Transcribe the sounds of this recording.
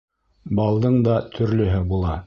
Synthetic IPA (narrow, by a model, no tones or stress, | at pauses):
bɑlˠd̪ɤɴd̪ɑt̪ʰɵ̆ɾlɵ̆ɦɘbulˠɑ